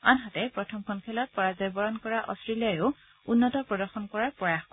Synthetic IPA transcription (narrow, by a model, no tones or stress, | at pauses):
anɦatɛpɹɔtʰɔmkʰɔnkʰɛlɔt̚pɔɹazɔjbɔɹɔnkɔɹaʔɔ̰stɹilijajʊ | unːɔtɔpɹɔdɔɹxɔnkɔɹaɹpɹɔjaxk